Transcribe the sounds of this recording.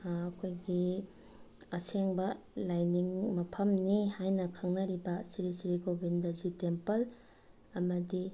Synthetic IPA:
ɐkʰojɡi | ɐseŋbɐ | lajniŋmɐpʰɐmnihajnɐkʰɐŋnɐɾibɐsiɾisiɾikobʱindɐzitempɐl | ɐmɐdi

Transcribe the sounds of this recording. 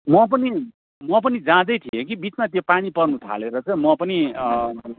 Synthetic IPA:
mʌp̬ʌni | mʌp̬ʌnid͡zãd̪ʌjt̪ʰiekibit͡smat̪jopaɽ̃ipʌrnut̪ʰa̰leɾʌt͡sʌ̃mʌpʌni

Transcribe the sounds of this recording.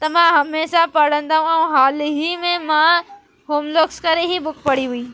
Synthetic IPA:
t̪ɐmãɦɐmeːsapɐɽə̃nd̪aːɦũɐũɦaːlɦimẽmã | ɦoːmloːkskɐɾeɦibʊkpɐɽiɦuiː

